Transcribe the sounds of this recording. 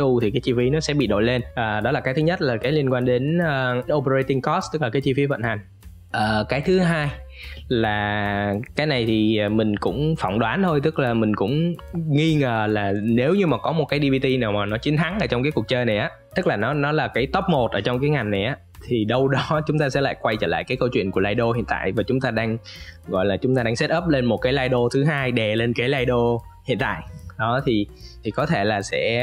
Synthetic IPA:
u˧t̪ʰi˨˩kaː˨˦jt͡ɕi˧fi˨˦nɔ˨˦sɛ̰˧˥ɓḭ˧˨ɗo̰˧˨jle˧nʔəː˨˩ɗɔ˨˦laː˨˩kaː˨˦jt̪ɨ˨˦ɲə˦˥t̚laː˨˩kaː˨˦jli˧ənkwaː˧ŋɗe˨˦nəː˧ʔo˧pə˧ə˧jt̪ï˧ŋkɔ˦˥st̪ɨ˦˥k̚laː˨˩kaː˨˦jt͡ɕi˧fi˨˦və̰˧˨nha˨˩ŋ̟ | ʔəː˨˩kaː˨˦jt̪ʰɨ˨˦ɦaː˧j | laː˨˩kaː˨˦jna˨˩jt̪ʰiː˨˩˨mï˨˩ŋ̟kʊ̰˧˥ŋ͡mfɔ̰˧˨wŋ͡mɗwaː˨˦nt̪ʰo˧jt̪ɨ˦˥k̚laː˨˩mï˨˩ŋ̟kʊ̰˧˥ŋ͡mŋi˧ŋəː˨˩laː˨˩ne˨˦wɲɨ˧maː˨˩kɔ˨˦mo˨˩t̚kaː˨˦jɗi˧vi˧t̪i˧naː˨˩wmaː˨˩nɔ˨˦t͡ɕï˨˦ŋt̪ʰa˨˦ŋʔəː˧˩t͡ɕɔ˧ŋ͡mkaː˨˦ku˨˩ək̚t͡ɕəː˧jna˨˩jʔaː˨˦t̪ɨ˦˥k̚laː˨˩nɔ˨˦nɔ˨˦laː˨˩kaː˨˦jt̪ə˦˥p̚mo˨˩t̚ʔəː˧˩t͡ɕɔ˧wŋ͡mkaː˨˦jŋa˨˩jŋ̟na˨˩jʔaː˨˦t̪ʰi˨˩ɗə˧wɗɔ˨˦t͡ɕʊ˨˦ŋ͡mt̪aː˧sɛ̰˧˥la̰ː˧˨jkwa˧jt͡ɕə̰ː˧˩la̰ː˧˨jkaː˨˦jkə˧wt͡ɕwḭ˧˨ənku˧˩əlaː˧jɗo˧hḭ˧˨ənt̪a̰ː˧˨jvaː˨˩t͡ɕʊ˨˦ŋ͡mt̪aː˧ɗaː˧ŋɣɔ̰˧˨jlaː˨˩t͡ɕʊ˨˦ŋ͡mt̪aː˧ɗaː˧ŋsɛ˦˥t̚ʔəː˦˥p̚le˧nmo˨˩t̚kaː˨˦jlaː˧jɗo˧t̪ʰɨ˨˦ɦaː˧jɗɛ˨˩le˧nkaː˨˦jlaː˧jɗo˧hḭ˧˨ənt̪a̰ː˧˨jɗɔ˨˦t̪ʰi˨˩t̪ʰi˨˩kɔ˨˦t̪ʰe˧˩laː˨˩sɛ̰˧˥

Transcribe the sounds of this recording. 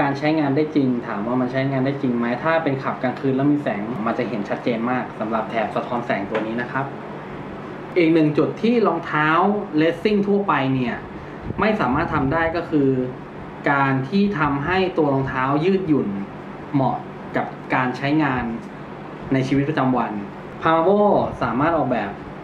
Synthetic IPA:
kaː˧nt͡ɕʰa˦˥jŋaː˧ndaː˥˩jt͡ɕi˧ŋt̪ʰaː˩˦mwaː˥˩ma˧nt͡ɕʰa˦˥˧ŋaː˧ndaː˥˩jt͡ɕi˧ŋma˦˥jt̪ʰaː˥˩pe˧nkʰa˨˩p̚kaː˧nkʰɯː˥˩nlɛ˦˥wmiː˧sɛː˩˦ŋma˧nt͡ɕa˨˩ɦe˩˦nt͡ɕʰa˦˥t̪̚t͡ɕeː˧nmaː˥˩k̚sa˩˦mɾa˨˩p̚t̪ʰɛː˨˩p̚sa˧t̪ʰɔː˦˥nsɛː˩˦ŋt̪u˧ɐniː˦˥na˦˥kʰa˦˥p̚ | ʔiː˨˩k̚nɯ˨˩ŋt͡ɕu˨˩t̪ʰːiː˥˩lɔː˧ŋt̪ʰaː˦˥wle˦˥t̪̚si˥˩ŋt̪ʰu˥˩ɐpa˧jni˥˩ɐ | ma˥˩jsaː˩˦maː˥˩t̪ʰːa˧mdaː˥˩jkɔː˥˩kʰɯː˧ | kaː˧nt̪ʰiː˥˩t̪ʰa˧mɦa˥˩jt̪u˧ɐlɔː˧ŋt̪ʰaː˦˥wjɯː˥˩t̪̚ju˨˩n | mɔ˨˩ | ka˨˩p̚kaː˧nt͡ɕʰa˦˥jŋaː˧nː | a˧jt͡ɕʰiː˧wi˦˥t̪̚pɾa˧t͡ɕa˧mwa˧n | pʰaː˧a˧boː˥˩saː˩˦maː˥˩t̪̚ʔɔː˨˩k̚bɛː˨˩p̚

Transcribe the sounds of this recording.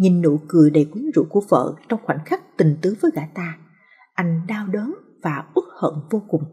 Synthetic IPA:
ɲi˨˩nːṵ˧˨kɨ˨˩əjɗe˨˩kwi˨˦ŋzṵ˧˩ku˧˩əvə̰ː˧˨t͡ɕɔ˧wŋ͡mxwa̰˧˩ŋ̟xa˦˥k̟̚t̪ï˨˩ŋ̟t̪ɨ˨˦vəː˨˦jɣa̰ː˧˩t̪aː˧ | ʔa˧jŋ̟ɗaː˧wɗəː˨˦n | vaː˨˩ʔɨ˦˥ək̚hə̰ː˧˨nvo˧kʊ˨˩ŋ͡m

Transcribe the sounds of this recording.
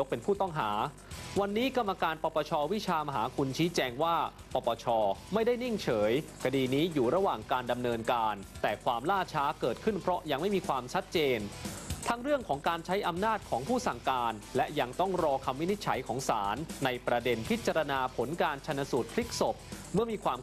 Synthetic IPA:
o˦˥k̚pe˧npʰuː˥˩t̪ɔ˥˩ŋɦaː˩˦ | wa˧nːiː˦˥ka˧mːa˧kaː˧npɔː˧pɔː˧t͡ɕʰɔː˧wi˦˥t͡ɕʰaː˧ma˧ɦa̰ː˩˦kʰu˧nt͡ɕʰiː˦˥t͡ɕɛː˧ŋwaː˥˩ | pɔː˧˩pɔː˧t͡ɕʰɔː˧ma˥˩jda˥˩jni˥˩ŋt͡ɕʰɤː˩˦jkʰa˧diː˧niː˦˥juː˨˩ɾa˧waː˨˩ŋkaː˧nda˧mnɤː˧nkaː˧nt̪ɛː˨˩kʰwaː˧mlaː˥˩t͡ɕʰaː˦˥kɤː˨˩t̪̚kʰɯ˥˩npʰɾɔ˦˥ja˧ŋma˥˩jmiː˧kʰwaː˧mt͡ɕʰa˦˥t̪̚t͡ɕeː˧nt̪ʰa˦˥ŋɾɯ˥˩əŋkʰɔː˩˦ŋkaː˧nt͡ɕʰa˦˥jʔa˧mnaː˥˩t̪̚kʰɔː˩˦ŋpʰuː˥˩sa˨˩ŋkaː˧nlɛ˦˥ʔja˧ŋt̪ɔ˥˩ŋɾɔː˧kʰa˧mːi˦˥ni˦˥t̪̚t͡ɕʰa˩˦jkʰɔː˩˦ŋsaː˩˦nːa˧jpɾa˧de˧npʰi˦˥t̪̚t͡ɕa˧ɾa˧naː˧pʰo˩˦nkaː˧nt͡ɕʰa˧nːa˧suː˨˩t̪̚pʰli˦˥k̚so˨˩p̚ | mɯ˥˩əmiː˧kʰwaː˧m

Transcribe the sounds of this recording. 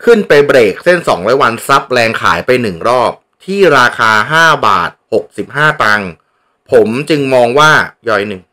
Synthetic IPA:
kʰɯ˥˩npa˧jbɾeː˨˩k̚se˥˩nsɔː˩˦ŋɾɔː˦˥jwa˧nsa˦˥p̚ɾɛː˧ŋkʰa̰ː˩˦jpa˧jnɯ˨˩ŋɾɔː˥˩p̚t̪ʰiː˥˩ɾaː˧kʰaː˧ɦaː˥˩ba̰ː˨˩t̪̚ho˨˩k̚si˨˩p̚ɦaː˥˩t̪a˧ŋ | pʰo˩˦mt͡ɕɯ˧ŋmɔː˧ŋwaː˥˩jɔː˧jnɯ˧˩ŋ

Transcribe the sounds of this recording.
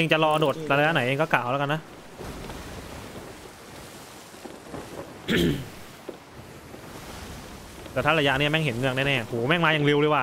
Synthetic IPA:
ʔe˧ŋt͡ɕa˨lɔː˧do˨˩t̪̚ɾa˧jaː˦˥na˩˦ʔeː˧kɔ˥˩kaː˨˩wlɛ˦˥ka˧nːa˦˥ʔ | t̪ɛː˧˩t̪ʰaː˥˩ɾa˧ja˧ni˥˩ɐmɛ˥˩ŋɦe˩˦nnɯ˥˩k̚nɛː˥˧˩nɛː˧˩huː˩˦mɛ˥˩ŋmaː˧ja˨˩ŋli˧wɾe˧jwaː˧˥˩

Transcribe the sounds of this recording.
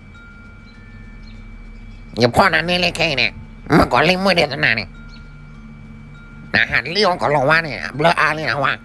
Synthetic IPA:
ja˨pʰɔː˧˥˨naː˨ni˧˨le˧˨kʰɛ˧i˧˨nɛ˨˧˩ | ma˧˨kɔː˨˦li˧˨mu˧˨de˧˨ta˧˨naː˨nɛ̰˧˨ | na̰ː˨ɦaː˨˩tli˧˨wɔ˧˨kɔ˨˦lɔː˧˨ŋwaː˧˥˨nɛ̰˧˨˧bləː˧˦ʔaː˧˨li˧˨na˨˧waː˧˨

